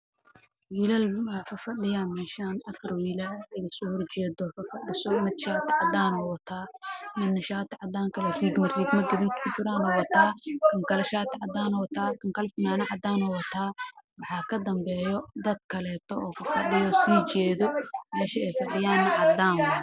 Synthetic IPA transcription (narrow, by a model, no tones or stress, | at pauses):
wiːlaːlwaːfɐfɐɖɪjaːnmɛːʃaːnɐfɐrwiːlalɛjɐsɔːhɔrt͡ʃɛːd̪ɔfɐfɐɗɪsɔmɪd̪ʃaːt̪ʰɐʕɑd̪aːnɔwɐt̪ʰaːmɪd̪nɐʃaːt̪ʰɐʕɑd̪aːŋkʰɐlɛriːɡmɐriːɡmɐɡɐβit̪kʰʊt͡ʃ̪ɪɾaːnɔwɐt̪ʰaːkʰɐŋkʰɐlɐʃaːt̪ʰʕɑd̪aːnɔwt̪ʰaːkʰɐŋkʰɐlfnaːnɐʕɑd̪aːnɔwɐt̪ʰaːwɑħɑːkʰɐd̪ɐmbɛːjɔd̪ɐd̪̚kʰɐlɛːt̪ʰɔɔːfɐfɐɖɪjɔsiːt͡ʃɛːðɔmɛːʃɐɛjfɐɖɪjaːnɐʕɑd̪aːnwɐ